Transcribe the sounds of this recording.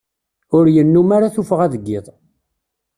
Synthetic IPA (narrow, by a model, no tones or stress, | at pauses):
ʊɾjənːumaɾaθufʁæðəɡːɪðˤ